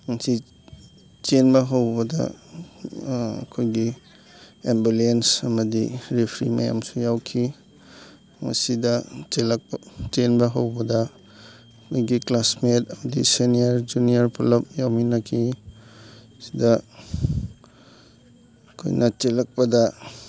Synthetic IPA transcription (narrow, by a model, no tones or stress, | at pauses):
ŋɐsi | t͡ʃenbɐɦɐwbɐdɐ̰ | ɐ̰kʰojɡi | embulensɐmɐdiɾipʰɾḭmɐja̰msujawkʰi | ŋɐ̰sidɐt͡ʃelɐk̚pt͡ʃenbɐɦɐwbɐdɐ | kʰojɡiklasmetɐmɐdḭseniɐɾd͡ʒuniɐɾpʰɐlɐp̚jawminɐkʰi | si̥dɐ | ɐkʰo̰jnʔɐt͡ʃelɐk̚pɐdɐ